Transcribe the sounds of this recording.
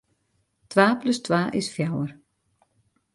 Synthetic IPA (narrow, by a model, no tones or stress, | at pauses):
t̪ʰvaːplʏst̪ʰvaːʔɪsfjaːwaɾ̥